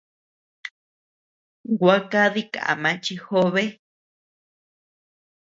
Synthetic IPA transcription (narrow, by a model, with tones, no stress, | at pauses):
ɡʷa˦ka˦ði˦ka̰˨ʔa̰˨mã˨˦t͡ʃi˧xo˦βe˦